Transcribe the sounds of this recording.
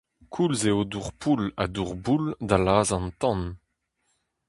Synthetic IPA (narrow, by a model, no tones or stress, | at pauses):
kʰulzeoduʁpʰula̰d̪uʁbuld̪alaːzɑ̃nt̪ɑ̃n